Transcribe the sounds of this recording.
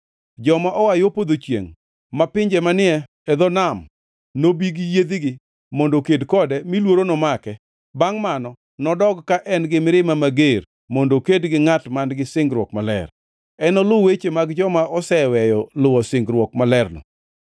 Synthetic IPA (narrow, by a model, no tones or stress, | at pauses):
d͡ʒɔmaʔɔwajopod̪ot͡ʃjḛŋ | mapɪɲd͡ʒɛmanɪɛ | ɛd̪ɔnam | nobiɡjed̪iɡɪ | mondokedkɔdɛmilwoɾonɔmakɛ | baŋmanɔ | nɔdɔɡkaʔɛnɡɪmɪɾɪmamaɡer | mondokedɡɪŋatmanɡɪsɪŋɡɾwɔkmalɛ̰r | ɛnɔlʊwet͡ʃemaɡd͡ʒɔmaɔsɛwɛjɔlʊwɔsɪŋɡɾwɔkmalɛrnɔ̰